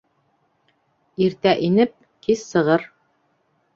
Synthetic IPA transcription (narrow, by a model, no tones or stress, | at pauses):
iɾt̪æʔinɘp̚ | kissɤ̆ʁɤɾ